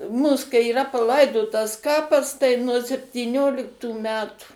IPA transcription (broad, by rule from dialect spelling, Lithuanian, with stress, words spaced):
ˈmuːs kɐɪ iːˈrɐ pɐˈlˠɐɪdoːtɐs ˈkɑːpɐs tɐɪ nuɔ sʲɛpʲtʲiːˈnʲoːlʲɪktuː ˈmʲæːtuː